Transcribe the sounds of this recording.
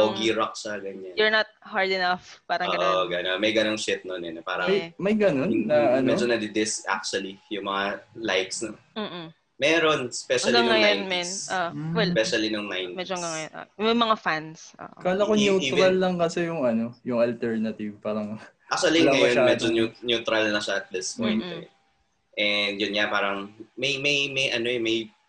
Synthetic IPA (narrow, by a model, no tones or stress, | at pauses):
oɡiɾok̚sɐɡɐɲːanjɛɹnɐt̪̚haɹd̪ɪnɐfpaːɾɐŋːɡɐʔ̪oɡɐnonmɐjɡɐnoŋʃɪt̪̚nonɛnɛpa̰ːɾɐmɐjmɐjɡɐno̞nːɐʔɐnmɛd͡ʒonɐd̪ɪd̪ɪsʔa̰k̚t͡ʃʊɐlijʊŋmɐŋalajksnɐm̩ː | mɛɾonspɛʃɐlɡiaŋŋɐjonmɛnʔoɛlpɛʃɐlinɐŋnajnmɛd͡ʒoɡɐŋɐjonʔo̰mɐjmɐŋafanso̰ʔkɐlɐkonjut̪ɾɾɐlːɐŋkɐsɛjʊŋɐno̞jʊŋɐlt̪ɛɹnɐt̪ɪvpaːɾɐŋ | ak̚t͡ʃuɐlilɐɐjonmɛd͡ʒonjʊnjut̪ɾɐlnɐʃaɐt̪̚d̪ɪspoj̪t̪ɛ | ʔɛnd̪jʊnɲapaːɾɐŋmɐjmɐjmɐjʔɐnoɛmɐj